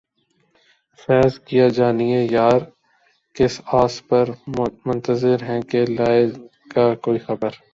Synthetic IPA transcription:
fɛːzkijad͡ʒaːniejaːɾ | kɪsaːspɐɾmʊ̃nt̪əzɪɾɦɛ̃kelaːɪ | kakoːixɐbəɾ

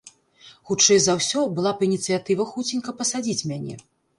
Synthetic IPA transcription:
xut͡ʂɛjzawsʲɔbɨlˠapɐinʲit̪sɨjat̪ɨvɐxut͡sʲinʲkɐpɐsad͡zʲit͡sʲmʲanʲɛ̰

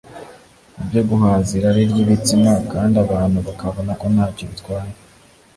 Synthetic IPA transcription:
ibjo̞ɡuɦaːziɾaɾiɾoβit͡simakaːndaβaːn̥huβakaβonako̞nhaːcoβitkwaːɾe

